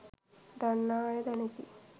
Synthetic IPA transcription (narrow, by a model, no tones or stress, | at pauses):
d̪anːaːjɐd̪ɐnet̪i